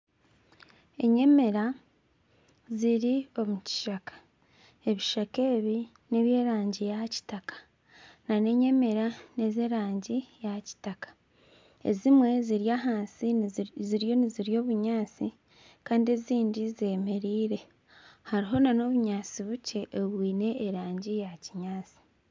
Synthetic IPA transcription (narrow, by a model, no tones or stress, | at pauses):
e̞ɲe̞me̞ɾa | ziɾio̞muci̥ʃakḁ | e̞βiʃake̞ːβi | ne̞βje̞ːɾaːɲɟijaci̥takḁ | nane̞ɲe̞me̞ɾane̞zeɾaːɲɟijaci̥takḁ | e̞̰zimwe̞ziɾjaɦaːnsiziɾjo̞niziɾijo̞ːβuɲaːt͡si | kaːndie̞ziːndize̞ːme̞ɾiːɾe̞ | haɾiɦo̞nano̞βuɲaːt͡siβuce̞ʔːβwiːne̞ːɾaːɲɟijaciɲaːt͡si̥